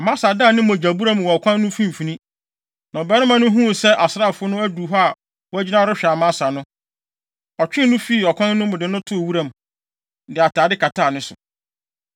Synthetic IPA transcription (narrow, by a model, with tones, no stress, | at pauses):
a˨mã˦sa˨dã˦˨nɪ̃˦mɔ̃˨d͡ʑæ˨bu˦ɾã˦˨m˨wɔ˨ɔ˨kʷʰã˦nːʊ̃˦fĩ˦m˨fĩ˨nĩ˦ | nã˨ɔ˨bɛ˦ɾɪ̃˦mã˨nʊ̃˦ɦũ˦˨sɛ˦ʔa˨sɾa˦˨fʊ˦nʊ̃˦æ˦du˨ɦɔ˦a˨ | wɔ˦æ˦d͡ʑi˦nã˦ɾʊ˦ɕᶣa˨mã˦sa˨nʊ̃˦ | ɔ˨t͡ɕᶣɪ˦nʊ̃˦fi˦˨ɔ˨kʷʰã˦nnʊ̃˦mʊ̃˨dɪ˨nʊ̃˦tʰʊ˦˨wu˦ɾã˨m˨ | dɪ˨a˨tʰaː˨dɪ˦kʰa˨tʰa˦˨nʊ̃˦sʊ̰˨